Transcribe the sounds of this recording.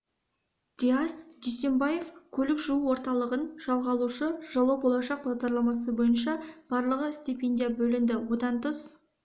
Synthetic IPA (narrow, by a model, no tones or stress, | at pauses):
d̪̥ʲiasd̪ejse̞mbaje̞fkʲʰɵlɪkʒuuwo̞ɾt̪ɑlˠəʁənʒ̥ɑlˠʁɑlˠuʃəʒ̥ɑlˠɑwbo̞lˠɑʃɑq̚bɑʁd̪ɑɾlˠɑmɑs̬əbo̞jənʃɑb̥ɑɾlˠəʁəsʲt̪ʲipʲe̞nʲd̪ʲijabɵlɪnd̪ɪwo̞d̪ɑnt̪ʰəs